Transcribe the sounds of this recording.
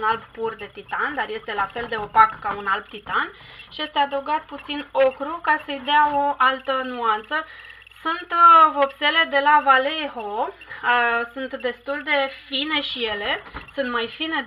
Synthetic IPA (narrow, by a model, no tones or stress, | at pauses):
nalbpurd̪e̞t̪it̪and̪arje̞st̪e̞lafe̞ld̪e̞o̞pakkːaunalb̚t̪it̪an | ʃije̞st̪e̞ad̪əwɡat̪put̪sino̞kɾukasəjd̪eao̞ʔalt̪ənuant̪sə | sunt̪vo̞pse̞le̞d̪e̞lavale̞ɦo | sunt̪d̪e̞st̪uld̪e̞fine̞ʃije̞le̞sunt̪majfine̞